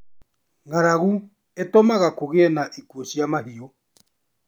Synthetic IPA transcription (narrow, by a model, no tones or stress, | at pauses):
ŋaɾaɣu | etomaɣakoɣeɛnaʔikuosjamaɦiɔ